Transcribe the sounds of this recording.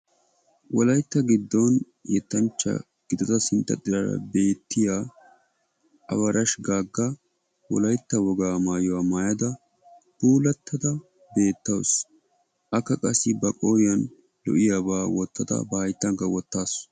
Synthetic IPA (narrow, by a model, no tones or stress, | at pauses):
wɔlɐjt̪ːɐɡɪd̪ːɔn | jɛt̪ːɐnt͡ʃːɐ̰ | ɡ̥ɪd̪ɔt̪ɐsɪnt̪ːɐ̰t̪ʼɪɾɐɾɐ̰be̞ːt̪ːɪjaː | ʔɐbɐɾɐʃɡaːɡːɐ | wɔ̰lɐjt̪ːɐwɔɡaːmaːjɔwaːmaːjɐd̪ɐ | puːlɐt̪ʰːɐd̪ɐ | be̞ːt̪ːɐws | ʔɐkːɐkʼɐsːɪbɐkʼoːjɐn | lɔ̰ʔɪjaːbaːwɔt̪ːɐd̪ɐ̰bɐhɐjt̪ːɐŋɡɐwɔt̪ːaːs